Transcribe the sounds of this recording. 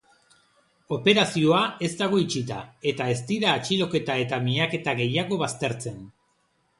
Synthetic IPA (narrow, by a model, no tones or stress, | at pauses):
o̞pe̞ɾasio̞ae̞zd̪aɣ̞o̞it͡sit̪a̰e̞t̪ae̞st̪iɾaːt͡ʃilo̞ke̞t̪ae̞t̪amiake̞t̪aɣe̞jaɣ̞o̞βast̪e̞ɾt͡se̞n